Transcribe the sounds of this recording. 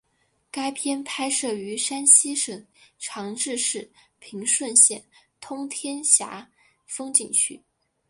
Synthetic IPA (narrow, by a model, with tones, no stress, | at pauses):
ka˥ɪpʰjɛ˥npʰa˥ɪʂɤ˥˩y˧˥ʂa˥nɕi˥ʂə˨˩ŋʈ͡ʂʰɑ˧˥ŋʈ͡ʂɻ̩˥˧ʂɻ̩˥˩pʰi˧˥ŋʂwə˥˧nɕjɛ̰˥˩nt̪ʰʊ˥ŋt̪ʰjɛ˥nɕja̰˧˥ | fɤ˥ŋt͡ɕi˨˩ŋɕʰy̰˥˩